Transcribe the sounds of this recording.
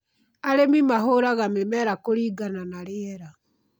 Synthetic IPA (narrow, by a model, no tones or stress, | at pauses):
aɾemimaɦoɾaɣamemɛɾakoɾiːɡananaɾɪɛɾa